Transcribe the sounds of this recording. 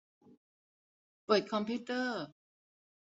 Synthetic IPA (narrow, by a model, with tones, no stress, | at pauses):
pəɤː˨˩t̪̚kʰɔ˧mpʰiː˦˥˩t̪ɤː˥˩